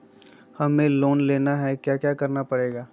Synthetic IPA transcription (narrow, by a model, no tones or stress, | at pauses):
hɐmẽloːnleːnaɦɛkjaːkjaːkɐɾnapɐɽeːɡaː